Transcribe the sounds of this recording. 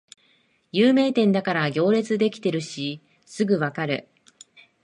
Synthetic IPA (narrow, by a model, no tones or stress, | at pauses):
jɯːme̞ːt̪ẽ̞nd̪akaɾaɡʲo̞ːɾe̞t͡sɨd̪e̞kʲi̥t̪e̞ɾɯ̟ɕi | sɨɡɯ̟βakaɾɯ̟̰